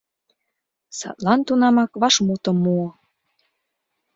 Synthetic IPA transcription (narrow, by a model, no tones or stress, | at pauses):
sɑ̰t̪lɑnt̪unɑmɑkβɑʃmut̪ɤ̆mːuɤ̆